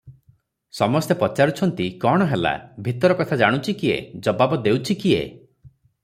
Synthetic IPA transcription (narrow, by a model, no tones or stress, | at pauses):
sɔmɔst̪epɔt͡ʃaɾut͡ʃʰɔnt̪ikɔɽ̃ɔɦela̰bʱit̪ɔɾɔkɔt̪ʰad͡ʒaɽ̃ut͡ʃʰikiḛd͡ʒɔbabɔd̪ewt͡ʃʰikiḛ